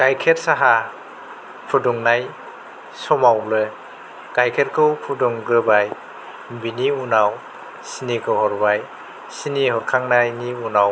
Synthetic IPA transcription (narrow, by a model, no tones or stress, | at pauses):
ɡ̥ajkʰet̚saɦa | pʰuduŋnaj | sɔmawlɯ | ɡ̥ajkʰet̚kʰɯwpʰuduŋɡɯbaj | mbiniunaw | sinikʰɯwhɔɾbaj | sinihɔɾkʰaŋnajniunaw